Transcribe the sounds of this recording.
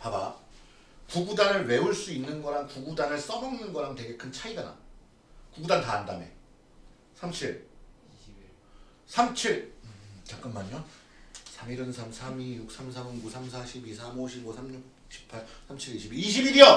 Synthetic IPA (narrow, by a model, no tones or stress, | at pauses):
paba̰ | kuɡudanɯɭwe̞uɭs͈uinːɯnɡʌɾankuɡudanɯɭs͈ʌmbʌŋnɯnɡʌɾante̞ɡe̞kʰɯnt͡ɕʰaidana̰ | kuɡudantaːndame̞̰ | sʰamt͡ɕʰiɭ | sʰamt͡ɕʰiɭt͡ɕak͈ɯnmaɲo | sʰamiɾɯnsʰamsʰamijuk̚s͈amsʰamonkusʰams̬ʰaɕʰibisʰamoɕʰibosʰamɲuk̚ | ɕʰi̥pʰaɭsʰamt͡ɕʰiɾiɕʰibiiɕʰibiɾiʌ